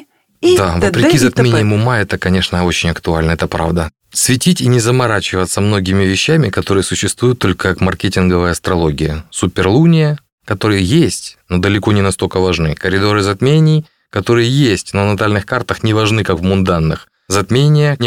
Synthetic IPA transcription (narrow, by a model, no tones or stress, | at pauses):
d̪avətpɾʲɪkʲizɐt̪mʲenʲɪjəmʊmaɛt̪əkɐnʲe̞ʂnəot͡ɕɪnʲɐkt̪ʊalʲnəɛt̪əpɾa̰vd̪ə | svʲɪtʲitʲinʲɪzəmɐɾat͡ɕɪvət̪səmno̞ɡʲɪmʲɪvʲɪɕːæmʲɪkɐt̪o̞ɾɨjəsʊɕːɪst̪vujʊt̪ːo̞lʲkəkakmɐrkʲetʲɪnɡəvəjəɐst̪ɾɐlˠo̞ɡʲɪjəsupʲɪrlˠunʲɪjə | kɐt̪o̞ɾɨjəjesʲtʲnod̪əlʲɪko̞nʲɪnɐst̪o̞lʲkəvɐʐnɨkəɾʲɪd̪o̞ɾɨzɐt̪mʲenʲɪj | kɐt̪o̞ɾɨjəjesʲtʲnənɐt̪alʲnɨxkart̪əxnʲɪvɐʐnɨkakvmʊnd̪anːɨx | zɐt̪mʲenʲɪjə